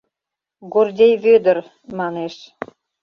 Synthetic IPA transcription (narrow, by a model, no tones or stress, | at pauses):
ɡord̪ʲejβød̪ər | mɑneʃ